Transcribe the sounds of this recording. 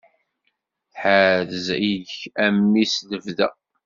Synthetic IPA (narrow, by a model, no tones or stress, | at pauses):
θħaðziʝæmːisðəvðæ̰